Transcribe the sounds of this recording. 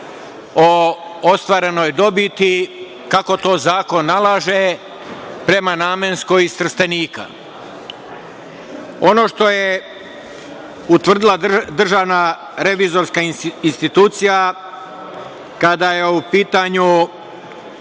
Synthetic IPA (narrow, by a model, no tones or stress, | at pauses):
oost̪ʋaːɾe̞no̞jd̪o̞bit̪i | kako̞t̪o̞ːzaːko̞nːalaʒe | pɾe̞manaːmenskojist̪r̩st̪eniːka̰ | o̞no̞ːʃt̪o̞je | ut̪ʋr̩d̪ilˠad̪r̩ʒaʋna | ɾe̞ʋizo̞ɾskainst̪it̪uːt̪sija | kad̪ajeupiːt̪aɲu